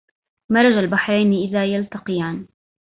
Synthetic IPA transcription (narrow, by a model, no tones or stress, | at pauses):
mɑɾˤɑd͡ʒalbaħɾˤajnʔɪðaːjalt̪ɑqɨjaːn